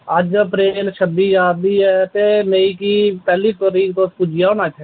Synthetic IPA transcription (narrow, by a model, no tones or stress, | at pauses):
əd͡ʒpɾeːnʃəbiːjaːd̪iːɛt̪eːmeːikipɛːliːt̪oːɾiːkt̪oːspud͡ʒʱijaːonaːt͡ʃʰɛː